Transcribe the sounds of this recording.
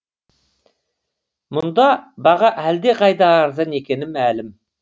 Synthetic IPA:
mʊnd̪ɑbɑʁɑʔæld̪e̞qʰɑjd̪ɑːɾzɑne̞kʲe̞nɪmælɪm

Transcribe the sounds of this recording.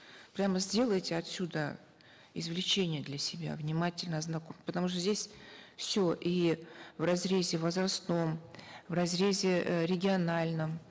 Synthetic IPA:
pɾʲaməzʲdʲe̞lˠəjtʲɪɐt̪sʲud̪ə | ɪzvlʲɪt͡ɕenʲɪjəd̪lʲəsʲɪbʲa̰vnʲɪmatʲɪlʲnəɐznɐkompə̥t̪ɐmuʂ̬t̪əzʲdʲesʲfsʲoʔivrɐzɾʲezʲɪvəzrɐst̪no̞mvrɐzɾʲezʲɪɾʲɪɡʲɪɐnalʲnəm

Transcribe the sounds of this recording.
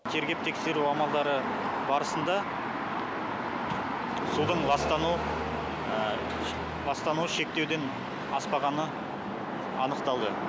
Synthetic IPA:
t̪ʲʰe̞ɾɡʲe̞p̚t̪ʰe̞kse̞ɾuɑmɑlˠd̪ɑɾə | bɑɾəsənd̪ɑ | sud̪əɴɑst̪ɑnu | lɑst̪ɑnuʃe̞k̚t̪e̞wd̪e̞n | ɑspɑʁɑnə | ɑnəqt̪ɑlˠd̪ə

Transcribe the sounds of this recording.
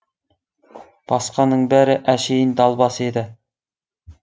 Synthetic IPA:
b̥ɑsqɑnəɴbæɾɪʔæʃejɪnd̪ɑlˠbɑsed̪ɪ

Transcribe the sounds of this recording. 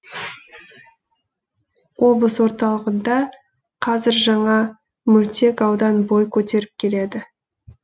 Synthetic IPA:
wʔo̞blˠəswo̞ɾt̪ɑlˠəʁənd̪ɑ | qʰɑzɪɾʒɑɴɑ | mɵlt̪e̞kɑwd̪ɑnbo̞jkʲʰɵt̪e̞ɾɪp̚kʲʰe̞le̞d̪ɪ

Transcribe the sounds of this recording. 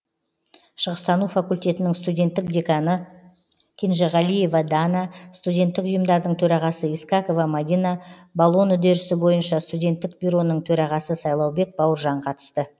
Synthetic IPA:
ʃəʁəst̪ɑnufakulʲt̪ʲe̞t̪ɪnɪŋst̪ud̪ʲe̞nt̪ːɪkd̪ʲekanə | kʲʰenʒaʁɑlije̞vɑd̪anɑst̪ud̪ʲe̞nt̪ːɪkʊjəmd̪ɑɾd̪əɴt̪ʰɵɾɑʁɑsəiskɑko̞vɑmad̪ʲijnabalˠo̞nʏd̪eɾɪsɪbo̞jənʃɑst̪ud̪ʲe̞nt̪ːɪk̚bʲiɾo̞nəɴt̪ʰɵɾɑʁɑsəsɑjlˠɑwbe̞k̚bɑwəɾʒɑɴqʰɑt̪ə̥st̪ə

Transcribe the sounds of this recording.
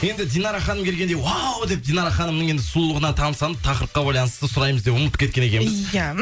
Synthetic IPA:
je̞nd̪ɪd̪ijnɑɾɑχɑnəmkʲe̞lɡʲe̞nd̪ejwawd̪e̞p̚d̪ijnɑɾɑχɑnəmnəɴe̞nd̪ɪsulˠlˠəʁənɑt̪ʰɑmsɑnˠəp̚t̪ʰɑqəɾəpqɑbɑjlˠɑnəst̪əsʊɾɑjməzd̪epʊmət̪ːə̥pkʲʰet̪̚kʲene̞kʲe̞mɪzæ

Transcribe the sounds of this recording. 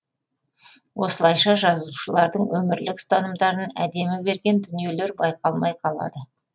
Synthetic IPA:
wʔo̞səlˠɑjʃɑʒɑzuʃəlˠɑɾd̪əɴwɵmɪɾlɪkst̪ʰɑnəmd̪ɑɾənæ̰d̪e̞mɪbe̞ɾɡʲe̞nd̪ʏnije̞le̞ɾbɑjqɑlˠmɑjqʰɑlˠɑ̰d̪ə

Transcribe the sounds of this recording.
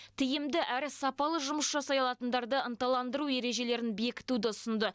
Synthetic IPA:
t̪ʰɪjɪmd̪ɪʔæɾɪsɑpɑlˠəʒʊməsʒɑsɑjɑlˠɑt̪ənd̪ɑɾd̪əənt̪ɑlˠɑnd̪əɾue̞ɾe̞ʒe̞le̞ɾɪnbe̞kʲɪ̥t̪ud̪ɪʊsənd̪ə

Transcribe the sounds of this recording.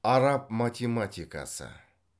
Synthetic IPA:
aɾap̚matʲimat̪ʲika̰sa̰

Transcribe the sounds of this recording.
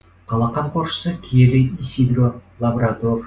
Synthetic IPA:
qʰɑlˠɑqɑɴqʰoɾʃə̥səkʲʰeɾej̪nʲisid̪rolˠabɾat̪or

